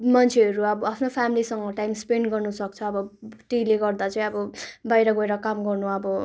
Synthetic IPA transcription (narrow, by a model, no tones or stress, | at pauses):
mʌnt͡sʰeʌɾuʌbʌapʰnopʰamilisʌŋɡʌʈajmspeɳɖɡʌrnusʌkt͡sʰʌːbʌʈileɡʌrd̪at͡sʌĩʌbʌbajɾʌɡʌeɾʌkamɡʌrnuʌbʌ